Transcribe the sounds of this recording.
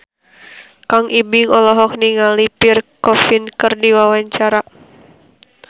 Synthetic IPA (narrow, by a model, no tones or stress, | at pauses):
kaŋʔibiŋɔlɔɦɔk̚niŋalipirkɔfinkɨrdiwawaɲt͡ʃaɾa